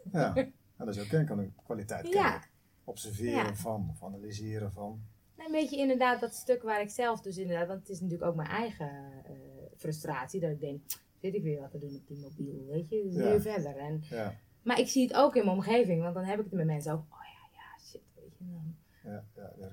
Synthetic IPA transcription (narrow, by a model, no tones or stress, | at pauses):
ja | ɛndɔsjokɛnkɔnɪkkʋalitɛjja | ɔpsərvɪəjaɾəfɔnɔfanalizɪəɾəvɔn | naənʋeːtjəɪndərdaːt̚dɔtstøkʋaːɾɪksɛlˠfdøs̬ɪndərdaːtʋɔntətɪsnətyːəəkoːk̚mɛjnʔɛjɣə | frøstraːtsidɔtɪk̚dɛŋk | ʋɪtɪkʋɪːʋɔtədunɔp̚dimobilˠʋeːtjəsiəfɛdərɛn | marɪksiətoːkɪnməomxeːvɪŋʋɔntdɔnɦɛpɪkətmɛmɛnsəoːkoːjajaʃɪtʋeːtənɔn